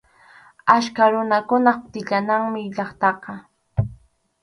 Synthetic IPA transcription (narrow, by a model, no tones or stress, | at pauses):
aʃkaɾʊnakʊnɑt̪ɪʎanaŋmɪʎɑχt̪ɑqɑ